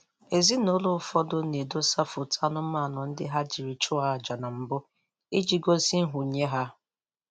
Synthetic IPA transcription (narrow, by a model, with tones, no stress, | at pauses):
e˨zi˦no˦lʊ˦˨fɔ˦dʊ˦ne˨do˦sa˦fʊ˨tʰa˦nʊ˦ma˦˨nʊ˨n̩˦dɪ̰˦ɦa˦d͡ʒi˨ɾi˨t͡ʃʊ˦a˦˨d͡ʒa˨na˨m̩˨bʊ˦ | i˦d͡ʒi˦ɡo˦si˦n̩˦ɦʊ˨ɲe˦ɦa˦